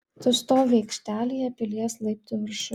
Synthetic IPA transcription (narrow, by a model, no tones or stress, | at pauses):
sʊst̪oːʋʲɛɪkʃʲt̪ʲæːlʲijɛpʲɪlʲiɛslˠɐɪp̚ʲt̪ʲɪʋʲɪɾʃʲʊ